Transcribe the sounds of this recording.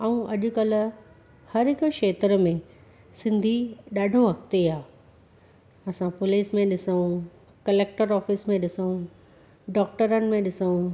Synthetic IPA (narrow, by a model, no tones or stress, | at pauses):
ɐũʔɐʄʊ̆kɐl̤ʊ̆ | hɐɾɦɪkʊʃeːt̪ɾəmẽ | sɪ̃nd̪ʱiɗaːɖʱoɦɐkt̪eaː | ɐsãpʊliːsmẽɗɪsəũ | kɐleːk̚ʈəɾɔːfismẽɗɪsəũ | ɖɔːk̚ʈəɾənɪ̆mẽɗɪsəũ